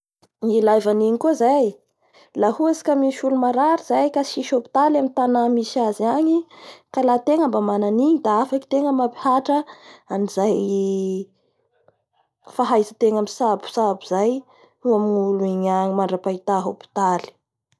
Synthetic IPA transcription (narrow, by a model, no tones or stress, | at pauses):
nilajvaniɲikuzaj | lahuesi̥kamiʃulumaɾaɾiz̥ajkaʃiʃopi̥t̪alamint̪anamisaziaɲikalat̪eŋəmbamananiɲid̪aafaki̥t̪eŋəmapi̥haʈ͡ʂəanizaj | faɦajzət̪eŋamisabu̥sabuz̥aj | uaminuluiɲaɲimaɳɖ͡ʐapait̪aɦopi̥t̪ali̥